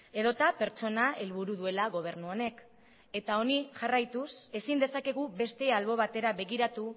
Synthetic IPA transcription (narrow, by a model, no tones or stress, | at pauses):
e̞ðo̞t̪ape̞ɾt͡ʃo̞nae̞lβuɾuðue̞laɣo̞β̞e̞ɾnuone̞k | e̞t̪ao̞niʝarajt̪use̞sind̪e̞sake̞ɣ̞uβe̞st̪e̞alβo̞β̞at̪e̞ɾaβe̞ɣiɾat̪u